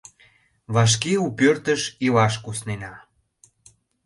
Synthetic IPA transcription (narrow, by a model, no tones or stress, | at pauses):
βɑʃ̬keupørt̪əʃilɑʃkusnenɑ